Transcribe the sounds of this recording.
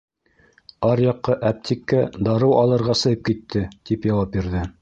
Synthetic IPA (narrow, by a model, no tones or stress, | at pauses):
ɑɾjɑqːɤʔæp̚t̪ʰʲikːæd̪ɑɾɤwɑlˠɤ̆ɾʁɑsɤ̆jɤp̚kit̪ʰːɘt̪ipjɑwɑp̚biɾðɘ